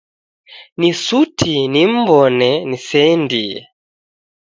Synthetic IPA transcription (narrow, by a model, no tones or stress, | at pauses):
nisutʰinim̩bɔnɛnisɛndiɛ̰